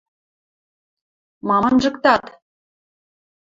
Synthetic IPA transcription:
mɑmɤnʒɤ̆kt̪ɑt̪

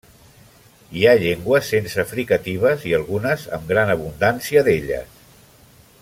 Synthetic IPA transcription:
iaʎeŋɡwəsːensəfɾikət̪iβ̞əziəlˠɣunəzə̰mɡɾanəβ̞und̪ansiəðeʎə̰s

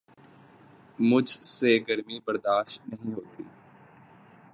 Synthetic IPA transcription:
mʊd͡ʒʱseɡəɾmibəɾd̪aːʃʈnəɦĩɦoːt̪ḭː

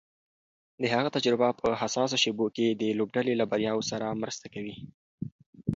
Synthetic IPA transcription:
d̪əɦaɣat̪ad͡ʒɾɪbapəhasɑs̬aʃeboked̪əlobɖalelabaɾjɑwsaɾamɾəst̪akawi

